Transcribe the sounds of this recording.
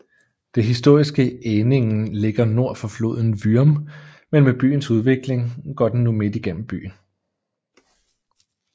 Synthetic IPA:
d̥e̝ɦisd̥o̝ɐ̰isɡ̥əene̝ŋ̩le̝ɡ̥ɐno̝ɐ̰fɒ̽flo̝̰ːð̞̰ˠn̩ʋyɐm | menmeb̥y̰ːn̩suð̞ˠʋe̝ɡ̥le̝ŋɡ̥ɒ̰d̥en̩ːume̝d̥iɡ̥en̰m̩b̥y̰ːn

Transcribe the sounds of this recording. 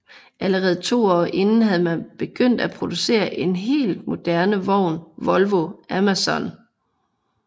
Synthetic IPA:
ʔæləʁɛːð̞̩ˠt͡sʰo̝̰ːɒ̰ːʔe̝nn̩ɦæð̩ˠmænb̥e̝ɡ̥øn̰d̥æpʰʁo̝d̥use̝̰ːɐʔe̝nɦe̝̰ːld̥̚mo̝d̥æɐnəʋɒʊ̰nʋɒ̽lʋo̝æmæsɒn

